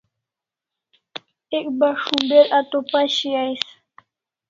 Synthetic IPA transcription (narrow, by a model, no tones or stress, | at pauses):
ɛk̚baʃumbɛɾat̪opaʃiajs